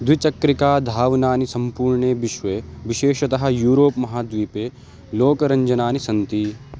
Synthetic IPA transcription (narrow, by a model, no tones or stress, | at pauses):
d̪wit͡ʃɐkɾikaːd̪ʱaːʋnaːnisɐ̃mpuːɾɳeʋɪʃʋeʋiʃeːʃɐt̪ɐɦɐ̆juːɾoːpmɐɦaːd̪ʋiːpeː | loːkɐɾɐɲd͡ʒɐnaːnisɐnt̪i